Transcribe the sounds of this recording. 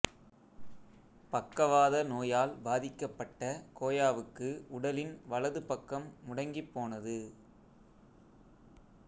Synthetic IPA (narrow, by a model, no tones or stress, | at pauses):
pɐkːɐʋaːðɐnoːjaːlbaːðɪkːɐpːɐʈːɐkoːjaːʋɯkːɯʊɽɐlɪnʋɐlɐðɯpɐkːɐmːʊɽɐŋɡipːoːnɐðɯ